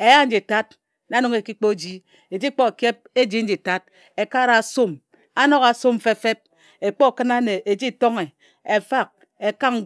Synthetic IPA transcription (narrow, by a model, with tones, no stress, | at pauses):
e˨ja˦n̩˦d͡ʒi˨ta˦t | n˨a˦no˨˦ŋe˨ki˦k͡po˦˨d͡ʒi˦ | e˨d͡ʒi˦k͡po˦˨kje˦p̚e˦d͡ʒi˦n̩˦d͡ʒi˨ta˦t̚ | e˨ka˦ɾa˨so˦m | a˦no˦ka˨so˦m˨fe˦fe˦p̚ | e˨k͡po˦˨kɨ˦na˦ne˨ʔe˨d͡ʒi˦˨to˦ŋe˨ | e˨fa˦˨k̚ | e˨ka˦ŋ˦